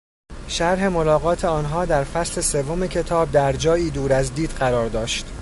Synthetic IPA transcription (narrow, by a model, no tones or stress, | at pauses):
ʃæɾɦe̞mo̞lɒːɣɒːt̪ʰe̞ɒːnɦɒːd̪æɾfæsle̞se̞vːome̞cʰe̞t̪ʰɒːb̚d̪æɾd͡ʒɒːjiːd̪uːɾæzd̪iːd̪̥ɢæɾɒːɾd̪ɒːʃt̪